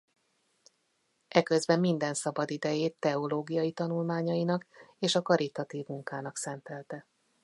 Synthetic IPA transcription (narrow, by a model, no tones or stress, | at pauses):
ʔɛkøzbɛmːind̪ɛnsɒbɒd̪id̪ɛjeːt̪ːɛo̞loːɡijɒjit̪ɒnulmaːɲɒinɒkeːʃɒkɒɾit̪ɒt̪iːvmuŋkaːnɒksɛnt̪ɛlt̪ɛ